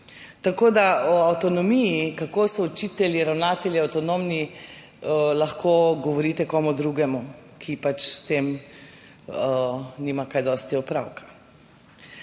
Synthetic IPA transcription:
t̪akoːd̪aɔawt̪ɔnɔmijikakoːsɔɔt͡ʃit̪ɛlʲiɾawnaːt̪ɛlʲjiawt̪ɔnomni | laxkʰoːɡɔʋɔɾiːt̪ɛkɔːmud̪ɾuɡɛmukʰipat͡ʃst̪eːm | niːmakajd̪ɔːst̪iɔpɾawkḁ

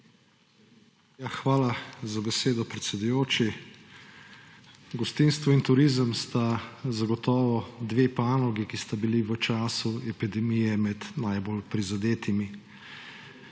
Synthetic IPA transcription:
jaxʋaːlazabɛseːd̪ɔpɾɛt̪sʲɛd̪ujoːt͡ʃi | ɡɔst̪inst̪ʋɔint̪uɾizəmst̪azaɡɔt̪ɔːʋɔd̪ʋeːpaːnɔɡikist̪abiliʋət͡ʃaːsuɛpid̪ɛmijɛmɛd̪najbolpɾizad̪eːt̪imi

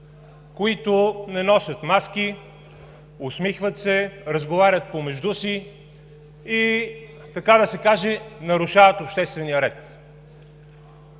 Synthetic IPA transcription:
koit̪onɛnɔsʲət̪mask̟i | osmixvət̪sɛɾəzɡovaɾʲət̪̚pomɛʒd̪usi | t̪ɐkad̪ɐsɛkaʒɛnɐɾʊʃavət̪opʃt̪ɛst̪vɛnijəɾɛt̪

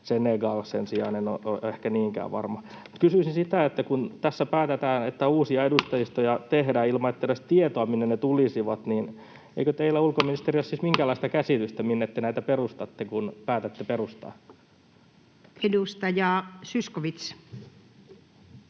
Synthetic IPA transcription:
seneɡɑlsensiɑinenoʔo̰ʔehkæniːŋkæ̰ːʋʋɑ̰rmɑmu̥t̪kysyisinsit̪æet̪ːækunt̪æsːæpæːt̪et̪æːnet̪ːæuːsiɑedust̪ɑjist̪ojɑt̪ehdæːilmɑet̪ːæɾæst̪iet̪oɑminːennet̪ulisiʋɑt̪nin | ḛikøt̪eilːæulkominist̪eriossismiŋkæːlːˑɑˑist̪ɑkæsit̪yst̪æminːet̪ːenæit̪æperust̪ɑt̪ːekunpæːt̪æt̪ːeperust̪ɑ̰ː | edust̪ɑjɑsyskoʋit̪s

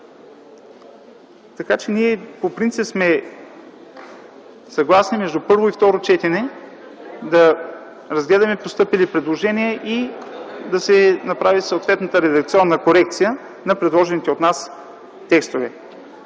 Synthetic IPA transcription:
t̪ɐkat͡ʃɛniɛpopɾinsipsmɛ | sɐɡlˠasnimɛʒd̪upɤɾvoift̪ɔɾot͡ʃɛt̪ɛnɛ | d̪ɐ | ɾɐzɡlɛd̪ɐmɛpost̪ɤpilipɾɛd̪lˠoʒɛnijəʔi | d̪ɐsɛnɐpɾavisoːt̪vɛt̪nət̪əɾɛd̪ɐk̚t̪siɔnːɐkoɾɛk̚t̪sijə | nɐpɾɛd̪lˠɔʒɛnit̪ɛot̪nas | t̪ɛkst̪ovɛ

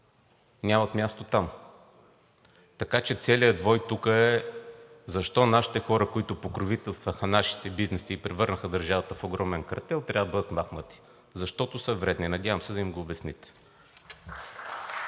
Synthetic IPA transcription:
nʲamɐt̪mʲjast̪ot̪am | t̪ɐkat͡ʃɛt̪sɛlijəd̪vɔjt̪ukəɛ | zɐʃt̪ɔnaʃi̥t̪ɛxɔɾəkʊit̪ʊpokɾovit̪ɛlˠst̪vəxənaʃi̥t̪ɛbiznɛsiːpɾɛvɤɾnəxəd̪ɐɾʒavɐt̪əfoɡɾɔmɛnkɾɐ̰t̪ɛlˠt̪ɾʲavəd̪əbɤd̪ət̪maxnət̪i̥ | zɐʃt̪ɔt̪ʊsəvɾɛd̪ninɐd̪ʲavəmsɛd̪ɐimɡoːbɛsnit̪ɛ̥

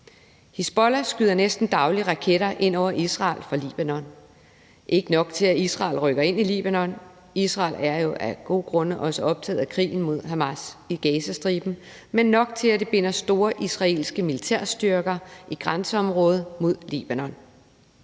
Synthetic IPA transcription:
hisb̥ɒlæsɡ̥yðˠɐnesd̥n̩d̥ɑ̈ʊliəʁɑ̈kʰeɾ̥ɐʔe̝n̰ɒʊ̰ɐʔisʁɑ̈ːlfɑ̈lḭb̥ænɒ̽n | ʔe̝ɡ̥ənɒ̽ɡ̥t͡sʰe̝læisʁɑ̈ːlʁœɡ̥ɐe̝n̰ilḭːb̥ænɒ̽n | isʁɑ̈ːlæɐjo̝ʔæɡ̥o̝̰ːɡ̥ʁɔ̽nəʔɒ̽səɒ̽b̥̚t͡sʰɛ̰ːð̩ˠækʰʁḭːn̩mo̝ð̰ˠɦæmæsiɡ̥ɛːsæsd̥ʁiːb̥n̩ | menːɒ̽ɡ̥̚t͡sʰe̝læd̥e̝b̥e̝n̰ɐsd̥o̝ːɐʔisʁɑ̈e̝̰ːlsɡ̥əmilit͡sʰæɐ̰sd̥yɐɡ̥ɐʔiɡ̥ʁansəɒ̽mʁɔ̽ːð̞ˠmo̝ð̞̰ˠlḭːb̥ænɒ̽n

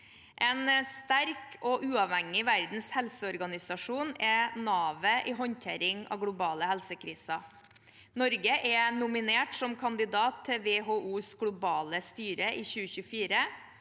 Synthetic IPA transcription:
ʔɛnst̪æɾkʰoːʔʉːɑʋhɛŋɪʋæɾd̪n̩shɛlsəɔɾɡɑnɪsɑʂuːnɛnɑːʋəʔiːɦɔɲnt̪ʰḛːɾɪŋɑ̰ːʋɡlʊbɑːləhɛlsəkʰɾiːsɑ | nɔɾɡəʔɛnʊmɪneːʈsɔmkʰɑnd̪ɪd̪ɑːt̪ʰːɛʋeːɦoːʔuːsɡɽʊbɑːləst̪yːɾəʔiːçʉːəçʉfiːɾə

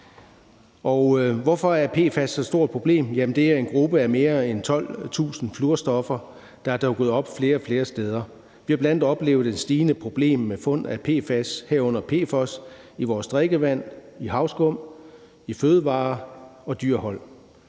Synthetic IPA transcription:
ʔɒʊʋɒfɒ̽æɐpʰe̝̰ːfæsːɒsd̥o̝ɐ̰d̥̚pʰʁo̝b̥le̝̰ːmjæmənd̥e̝æɐe̝nɡ̥ʁub̥əæme̝ːɐent͡sʰɒ̽l̰t͡sʰṵːsn̩fluɐsd̥ɒ̽fɐ | d̥ɑ̈æɐd̥ɒʊɡ̥oð̩ˠɒ̽b̥fle̝ːɐɒfle̝ːɐsd̥eːð̞ˠɐ | ʋihɑ̈b̥læn̰d̥ɒ̽b̥le̝̰ːʊð̩ˠensd̥iːnəpʰʁo̝b̥le̝̰ːmːefɔ̽n̰æpʰe̝̰ːfæsheɐ̰ɔ̽n̰ɐpʰe̝̰ːfɒ̽s | iʋɒːsd̥ʁeɡ̥əʋæn̰ihɑ̈ʊsɡ̥ɔm̰ | iføːð̞ˠəʋɑ̈ːɒ̽d̥yɐ̰hɒ̽l̰

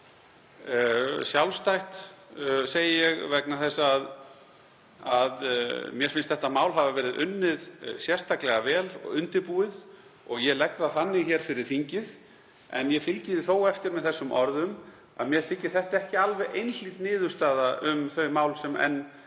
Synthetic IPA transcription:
sjawlst̪ajht̪ | seːjɪjɛɣvɛknaθɛsːaːð | aðmjɛɾ̥fɪnst̪θɛht̪ːamaːwlɦavavɛːɾɪðʏ̰nːɪðsjɛr̥st̪ʰaklɛɣavɛːlɔ̰ʏnt̪ɪɾpuːɪð | ɔɣjɛlɛkðaθanːɪɣçɛːɾ̥fɪɾɪɾ̥fiɲcɪð | ɛ̰njɛfɪlcɪðɪθoːwɛft̪ɪɾmɛðθɛsːʏmʔɔɾðʏm | a̰ðmjɛɾ̥θɪcːɪ̥θɛht̪aɛhcɪalvɛɣʔejnliːt̪nɪːðʏ̥st̪aːðaʔʏmθœɥmaːwlsɛmɛ̰nː

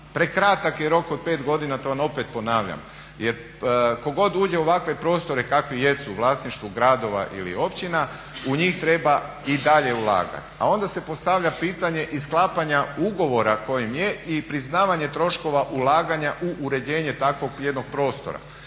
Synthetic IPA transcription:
pɾekɾat̪akjeɾo̞kod̪̚peːt̪ɡo̞d̪inat̪o̞ʋamo̞pet̪̚po̞naːʋʎa̰m | jeɾ | ko̞ɡo̞d̪uːd͡ʑe̞oʋakʋe̞pɾo̞ːst̪o̞ɾe̞kakʋije̞suʋlˠaːsniʃt̪ʋuɡɾad̪o̞ʋa̰ʔḭlḭo̞pt͡ɕina | uɲiːxt̪ɾe̞ba | id̪aʎe̞ulˠa̰ːɡa̰t̪a̰o̞nd̪ase̞po̞st̪aʋʎʲapiːt̪aɲe̞ʔisklˠaːpaɲauɡo̞ʋo̞ɾako̞jimjeipɾiznaːʋaɲe̞t̪ɾo̞ʃko̞ʋaʔulaːɡaɲaʔuʔːɾe̞d͡ʑe̞ːɲe̞t̪akʋo̞ɡje̞d̪no̞ɡ̥̚pɾo̞ːst̪o̞̰ɾa̰

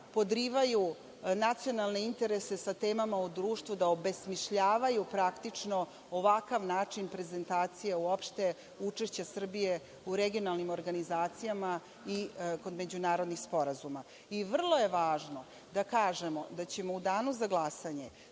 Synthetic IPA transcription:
po̞d̪ɾiːʋaju | nat̪sijo̞nalˠneint̪eɾe̞se̞sat̪e̞ːmamaud̪ɾuːʃt̪vud̪aobe̞smiʃʎaːʋajupɾakt̪it͡ʂno | oʋakaʋnaːt͡ʂinpɾe̞ze̞nt̪aːt̪sijeuopʃt̪e̞ | ut͡ʂeʃt͡ɕasr̩bije̞ | uɾeɡio̞nalnimo̞ɾɡanizaːt̪sijama | iko̞d̪me̞d͡ʑunaːɾo̞d̪nixspo̞ɾazuma | iʋr̩lˠojeʋaːʒno | d̪akaːʒe̞mo̞d̪at͡ɕe̞mo̞ud̪aːnuzaɡlˠasaɲe̞

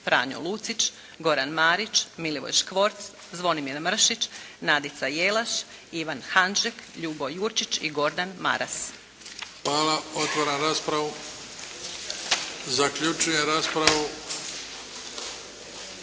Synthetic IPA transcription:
pɾa̰ːɲo̰lˠuːt̪sit͡ʃ | ɡo̞ɾanmaːɾit͡ʃmiliʋo̰jʃkʋo̞ɾt̪s | zʋo̞nimiɾmr̩ʃit͡ʃnad̪it̪sajelˠaʃ | iʋanxanʒekʎuːbojuːɾt͡ʃit͡ʃiɡo̞ɾd̪anma̰ɾʔas | xʋaːlaot̪ʋoɾanɾaːspɾaʋu | zakʎut͡ʃujeɾaːspɾaʋu

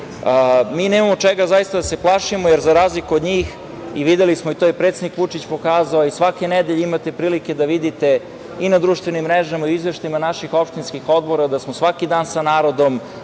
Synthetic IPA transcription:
miːneːmamo̞t͡ʂeɡazajist̪ad̪ase̞plˠaʃimojeɾzaɾaːzlikuod̪ɲiːx | iʋid̪elismoit̪ojepɾet̪sed̪nikʋut͡ʂit͡ɕpo̞kaːzaoisʋakened̪eʎeimat̪e̞pɾiːlike̞d̪aʋid̪it̪e̞ | inad̪ɾuːʃt̪vʋe̞nimːɾeʒamaioizʋeʃt̪aimanaʃixo̞pʂt̪inskixo̞d̪̚bo̞ɾad̪asmosʋakid̪aːnsanaːɾo̞d̪om

